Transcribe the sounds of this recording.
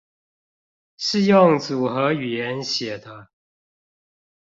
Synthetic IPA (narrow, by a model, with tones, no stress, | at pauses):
ʂɻ̩˥˧jʊ˥˨ŋt͡su˨˩xɤ˧˥y˨˩jɛ˧˦nɕjɛ˨˩d̪ə˦